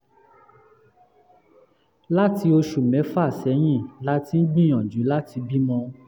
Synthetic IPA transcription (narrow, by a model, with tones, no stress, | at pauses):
la˦ti˧o˧ʃu˨mɛ̃˨˦fa˦˨sɛ˨˦j̃ĩ˦˨la˦ti˧˦n̩˦ɡ͡bĩ˦j̃ɔ̃˨d͡ʒũ˨˦la˦ti˧bi˦mɔ̃˧